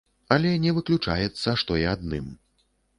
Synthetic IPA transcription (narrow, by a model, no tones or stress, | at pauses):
ɐlʲɛnʲɛvɨklʲut͡ʂa̰jɛt̪sːɐʂt̪ɔjiad̪̚nɨm